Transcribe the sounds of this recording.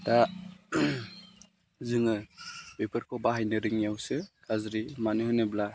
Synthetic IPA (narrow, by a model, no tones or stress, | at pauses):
da | zɯŋɯbepʰɯɾkʰɔbaɦajnɯɾɯŋjawsɯkʰazɾimanɯhɯnɯbla